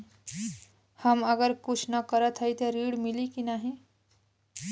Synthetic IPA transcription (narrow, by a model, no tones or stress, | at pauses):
həməɡəɾkut͡ʃʰnəkəɾət̪ʰɦəjt̪əɾiɽmilikinaɦi